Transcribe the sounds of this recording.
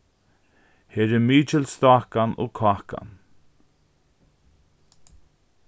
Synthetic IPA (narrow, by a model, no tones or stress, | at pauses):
heːɹɛmiːt͡ʃɪlst̪aːkano̰ːkʰɑːka̰n